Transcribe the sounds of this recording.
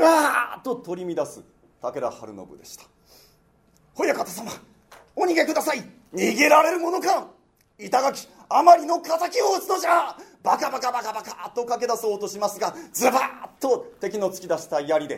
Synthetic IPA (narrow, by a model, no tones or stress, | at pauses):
bat̪ːo̞t̪o̞ɾʲimʲid̪asɨ̰ | t̪ake̞ɾa̰ha̰ɾɯ̟̰no̰bɯ̟d̪eɕi̥t̪ḁ | ho̞jakat̪asama | oɲ̟iɡe̞kɯ̟d̪asai | ɲ̟iɡe̞ɾaɾe̞ɾɯ̟mo̞no̞kã | it̪aɡakʲi̥ | amaɾʲino̞kazakʲioːt͡sɨd̪o̞ʑabakabakabakabakat̪o̞kake̞d̪aso̞ːt̪o̞ɕimasɨɡad͡zɨbat̪ːo̞t̪e̞kʲino̞t͡sɨ̥kʲid̪aɕi̥t̪ajaɾʲid̪e̞